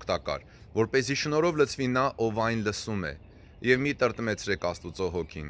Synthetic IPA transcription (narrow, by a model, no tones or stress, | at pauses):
kʰt̪ɑkɑ̰ɾ | vɔɾpɛziʃənɔɾɔvlət͡sʰvinɑʔɔvɑjnləsumɛ̰ | jɛvmit̪əɾt̪mɛt͡sʰɾɛkʰɑst̪ut͡sɔɦɔkʰin